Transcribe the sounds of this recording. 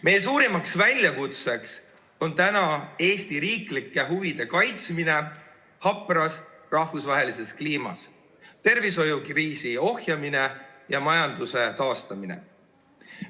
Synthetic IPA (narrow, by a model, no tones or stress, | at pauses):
me̞jesuːɾimɑksvælʲjɑkut̪se̞ks | o̞nt̪ænɑe̞ːst̪iɾiːklikːˑe̞ɦuvid̪̥e̞kɑjt̪smine̞ | hɑpːˑrɑsrɑhvusvɑɦe̞lise̞skliːmɑ̰s | t̪e̞rviso̞jukriːsio̞hjɑmine̞jɑmɑjɑnd̪use̞t̪ɑːst̪ɑmine̞̰